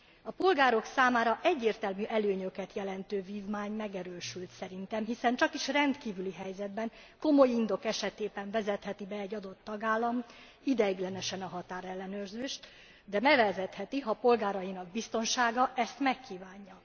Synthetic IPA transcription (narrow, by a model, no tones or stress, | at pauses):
ɒpo̞lɡaːɾo̞ksaːmaːɾɒʔɛɟːeːrt̪ɛlmyʔɛløːɲø̞kɛt̪jɛlɛnt̪øːviːvmaːɲmɛɡɛɾøːʃylt̪sɛɾint̪ɛmɦisɛnt͡ʃɒkiʃrɛnt̪kiːvyliɦɛjzɛd̪bɛŋ | ko̞mo̞jind̪o̞kɛʃɛt̪eːbɛɱvɛzɛt̪hɛt̪ibɛɛɟːɒd̪o̞t̪ːɒɡaːlːɒm | id̪ɛiɡlɛnɛʃɛnɒɦɒt̪aːɾɛlːɛnøːrzeːʃt̪ | d̪ɛmɛvɛzɛt̪hɛt̪iɦɒpo̞lɡaːɾɒjinɒɡ̚bist̪o̞nʃaːɡɒʔɛst̪mɛkːiːvaːɲːɒ